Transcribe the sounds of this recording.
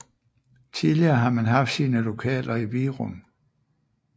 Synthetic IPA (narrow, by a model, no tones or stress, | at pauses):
t͡sʰiðˠliɐːɦɑ̈mænɦɑ̈fd̥siːnəlo̝kʰɛ̰ːlʔɐiʋiːʁun